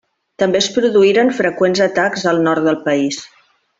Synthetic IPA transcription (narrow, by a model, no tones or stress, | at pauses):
t̪əmbeəspɾuðuiɾənfɾəkwenzət̪akzəlˠnɔɾt̪̚d̪əlˠpəis